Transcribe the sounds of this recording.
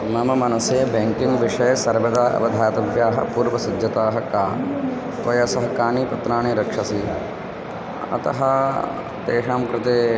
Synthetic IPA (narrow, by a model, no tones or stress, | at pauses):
mɐmɐmɐnɐsjɐːɐbeŋkiŋʋɪʂɐjɐsɐɾbɐd̪aːɐ̰bɐd̪ʱaːt̪ɐbʱjaːɦɐ̰puːɾʋɐsɐd͡ʒjɐt̪aːɦɐkaː | t̪ʋɐjɐsɐɦɐkaːniːpɐt̪ɾaːɳiɾɐkʂɐsi | ɐ̰t̪ɐɦɐ | t̪eːʂaːmkɾɪt̪eː